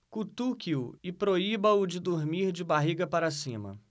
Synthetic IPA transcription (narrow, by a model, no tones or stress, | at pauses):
kut̪ukiʊɪpɾoibɐʊd͡ʒɪd̪oɾmiɾd͡ʒɪbaɦiɡɐpaɾasĩmɐ̰